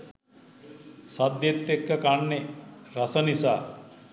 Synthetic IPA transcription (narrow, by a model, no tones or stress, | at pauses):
sɐd̪jet̪ːekːɐkaɳːeɾɐsɐnisaː